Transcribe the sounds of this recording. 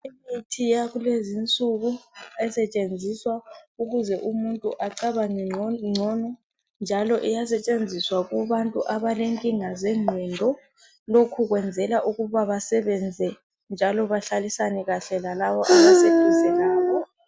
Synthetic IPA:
imitʰijaɣulezint͡sʼuɣuɛsɛt͡ʃʼend͡zʱiswauɣuzɛʔumuntʼṵʔaǀaβaŋ͡ǀɔnɔ | nd͡ʒʱalɔʔɛjasɛt͡ʃʼend͡zʱiswaɣuβantʼuʔaβaleŋkʼiŋazɛŋ͡ǀʱɛndʱɔ | lokʰuɣwɛnd͡zʱɛlaʔuɣuβaβasɛβɛnd͡zʱɛ | nd͡ʒʱalɔβaɬalisanɛɣaɬɛlalaβɔʔaβaseisɛaːjɔ

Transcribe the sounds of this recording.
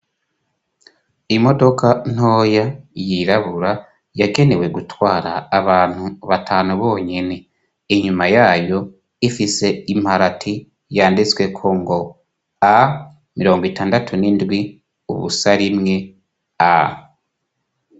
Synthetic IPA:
imo̞do̞kan̥ho̞ːjajiɾaβuɾa | jaɡe̞ne̞we̞ɡutwaːɾaːβaːn̥huβatʰaːnuβo̞ːɲene̞ː | ɲumajaːjo̞ | ifise̞im̥haɾatʰi | jaːndit͡swe̞kʰoːŋɡo̞ | a | miɾo̞ːŋɡwitaːndatʰunindwi | ṵβṵsaɾimŋe̞ | a

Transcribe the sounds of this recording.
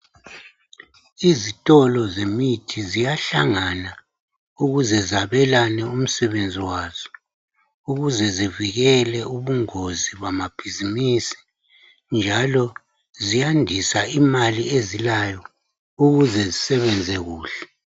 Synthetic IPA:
izitʼɔlɔzemitʰizijaɬaŋana | uɣuzɛzaβɛlanɛum̩sɛβend͡zʱiwaːz̥ɔ | uɣuzɛziviɣɛlɛuβuŋoziβamab̥ʱizimiːsi̥ | nd͡ʒʱalɔ | zijandʱisaimaliezilajɔ | uɣuzɛzisɛβɛnd͡zʱɛɣuːɬɛ̥

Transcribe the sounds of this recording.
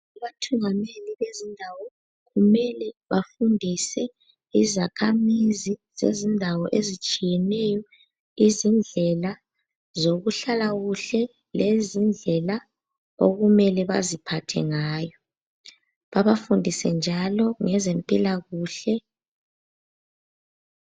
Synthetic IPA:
aβatʰuŋameliβezindʱawɔ | ɣumɛlɛβafundʱisɛ | izakʰamizizḛzindʱawɔʔezit͡ʃʼijɛnɛjɔ | izind͡ɮʱɛla | zoɣuɬalaɣuɬɛ | lezind͡ɮʱɛla | o̰ɣumɛlɛβa̰zipʰatʰɛ̰ŋaːjɔ | βaβafundʱisɛ̰nd͡ʒʱalɔŋɛzempʼilaɣuːɬɛ

